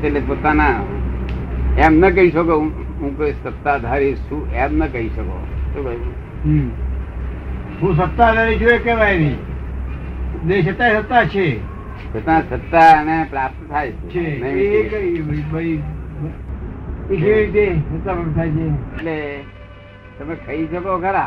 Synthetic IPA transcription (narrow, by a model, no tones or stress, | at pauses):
elepoːt̪ana | emnək̬əɦiʃokẽ | ɦũkesət̪ːad̪ʱaɾeʃũʔemnəkəɦiʃəko̰tũkə | ɦ | ɦũs̬ət̪ːad̪ʱaɾid͡ʒuekeʋaini | neʃət̪ːasət̪ːat͡ʃʰe | sət̪ãsət̪ːanepɾap̚t̪t̪ʰajt͡ʃʰet͡ʃʰenəĩkəibibəi | kit͡ʃiet̪esət̪ːabənt̪ʰajt͡ʃʰeeʈle | t̪əmẽkəiʃəkokʰəɾa